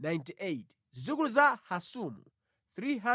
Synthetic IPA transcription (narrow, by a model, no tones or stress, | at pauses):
najntiʔet | zukuluzahasumṵ | θɾiɦa